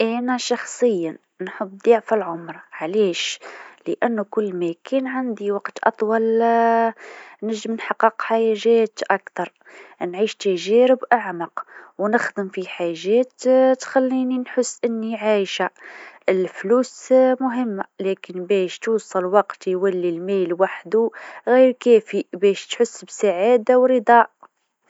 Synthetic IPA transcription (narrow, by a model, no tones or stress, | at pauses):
ʔænæʃɑxsˤəjːa | nħəbːd̪ˤɑʕfalʕʊmɾˤʕlæʃləʔænːukʊlːmækænʕand̪iwɑqt̪ʔɑ̰t̪ˤwɑl | nəʒːəmnħɑqːəqħajæʒæt̪ʔækt̪ɑɾˤ | nʕiʃt̪æʒæɾəbʔaʕmɑqwnəxd̪əmfiħaʒːæt̪t̪xælːininħəsːʔənːiʕajʃaəlflusmʊɦəmːalækənbæʃt̪usˤːɑlwɑqt̪jwælːilmælwaħd̪uɣiɾkæfibæʃt̪ħʊsːbsaʕad̪awɾəd̪ˤɑʔ